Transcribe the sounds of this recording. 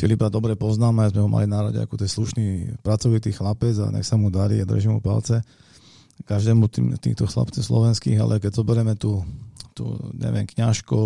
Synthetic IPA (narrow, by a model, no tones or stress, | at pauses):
filibɾad̪ɔbɾɛpɔznaːmazmɛɦɔmʔa̰linaɾɔɟɛ̰a̰kut̪ɛsluʃniːpɾat͡sɔʋit̪iːxlapɛd͡za̰ɲɛ̰xsamud̪aɾḭad̪rʒimṵpa̰lt͡sɛ | kaʒd̪ɛːmut̪iːmt̪iːxt̪ɔxla̰pt͡sislɔ̰ʋɛnskiːɣa̰lʔɛkɛɟzɔbɛɾɛmɛt̪uːt̪ṵːɲɛ̰ʋɪɛmkɲaʃku